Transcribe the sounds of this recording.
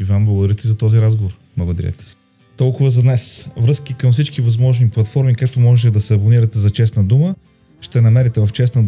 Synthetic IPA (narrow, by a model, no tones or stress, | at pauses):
ivamblˠəɡʊd̪ɐɾit̪ɛzɐt̪ɔziɾazɡovoɾ | blˠɐɡod̪ɐɾiɐ̰t̪ɛ̥ | t̪ɔlˠkʊvəzɐd̪nɛsvɾɤskikɐmfsit͡ʃkivɐzmɔʒniplˠɐt̪fɔɾmikak̚t̪omɔʒɛt̪ɛd̪ɐsɛɐboniɾɐt̪ɛzɐt͡ʃɛsnəd̪umə | ʃt̪ɛnɐmɛɾit̪ɛvɐft͡ʃɛsnə